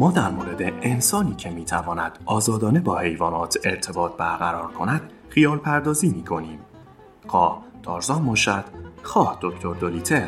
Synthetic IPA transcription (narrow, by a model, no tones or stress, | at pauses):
mɒːd̪æɾmoːɾe̞d̪eʔensɒːniːcʰe̞miːt̪ʰævɒːnæd̪̥ʔɒːzɒːd̪ɒːne̞bɒːhe̞jvɒːnɒːt̪ʰeɾt̪ʰe̞bɒːt̪̚ʰbæɾɣæɾɒːɾkʰo̞næd̪̥ | χijɒːlpʰæɾd̪ɒːziːmiːkʰo̞niːm | xɒːht̪ʰɒːɾzɒːmoʃæt̪xɒːhd̪̥o̞ct̪ʰo̞ɾd̪oliːt̪ʰe